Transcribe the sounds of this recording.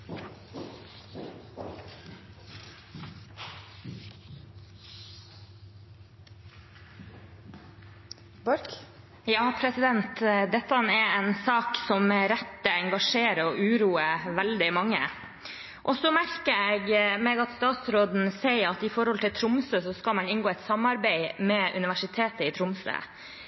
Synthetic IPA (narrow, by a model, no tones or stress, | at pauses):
bɑɾk | jɑːpʰɾɛsɪd̪ɛnt̪d̪ɛt̪ːɑɑnɛɛnsɑːksɔmɾɛt̪ːəɛŋɡɑʂeːɾəɔʔʉːɾuːəʋæld̪ɪmɑŋːə̰ | ʔɔsɔmæɾkəeːɡmeːɡɑt̪st̪ɑːt̪sɾoːd̪n̩seɪəɾɑt̪ɪfɔɾhɔlt̪ʰɪlt̪ʰɾʊmsøsɔskɑlmɑnɪnɡoːɛt̪sɑmɑɾbæɪmɛːʔʉnɪʋæʂɪt̪ʰeːt̪əɪt̪ʰɾʊmsø̰